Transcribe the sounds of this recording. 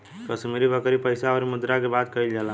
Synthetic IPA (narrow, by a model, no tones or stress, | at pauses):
kəsmiɾibʱəkɾipəjsaɔɾmud̪ɾakebad̪kəild͡ʒala